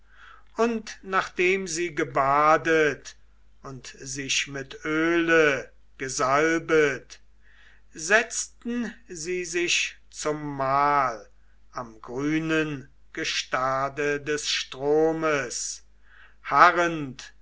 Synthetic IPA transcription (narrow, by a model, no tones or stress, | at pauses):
ʔʊntnaːχd̥eːmziːɡəbaːdət | ʊntzɪʃmɪtʔøːlə | ɡ̥əzalbət | zɛt͡stn̩ziːzɪʃ | t͡sʊmːaːl | ʔamɡʁyːnən | ɡ̥əʃtaːdədɛsʃtʁ̥oːməs | haʁənt